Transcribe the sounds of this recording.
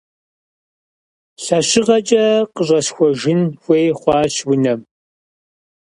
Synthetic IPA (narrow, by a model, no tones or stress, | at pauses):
ɬɐɕɪʁɐt͡ʃʼɐqəɕʼɐsxʷɔʒɪnxʷeːjχʷɑːɕwʊnɐm